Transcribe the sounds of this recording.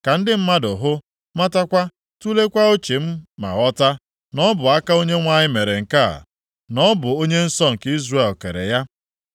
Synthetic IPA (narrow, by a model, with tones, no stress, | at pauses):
ka˨n̩˦dɪ˦m̩˦ma˦dʊ˨ɦʊ˦ | ma˦ta˦kʷa˦ | tu˦le˦kʷa˦o˦t͡ʃe˨m̩˦ma̰˨ɣɔ˦ta˦ | nɔ˦bʊ˨a˦ka˦o˦ɲe˦ŋʷa˦ɲɪ˦me˨ɾe˨ŋ̩˨ka˦a̰˨ | nɔ˦bʊ˨o˦ɲe˦n̩˦sɔ˦ŋ̩˨ki˦zre˦˨lke˨ɾḛ˨ja˦